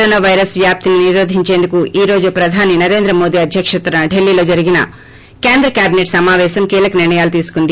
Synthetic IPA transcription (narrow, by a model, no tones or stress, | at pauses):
ɾoːnaːʋɐjɾɐsʋjaːp̚t̪ininiɾoːd̪ʱiɲt͡ʃe̞ːnd̪ukuiːɾo̞ːd͡ʒupɾɐd̪ʱaːninɐɾe̞ːnd̪ɾɐmo̞ːd̪iɐd̪ʱjɐkʂɐt̪ɾɐɖe̞lːilo̞ːd͡ʒɐɾiɡinɐ̰ | ke̞ːnd̪ɾɐkjaːbineʈsɐmaːʋɛːʃɐmkiːlɐkɐniɾɳɐjaːlut̪iːsu̥kund̪i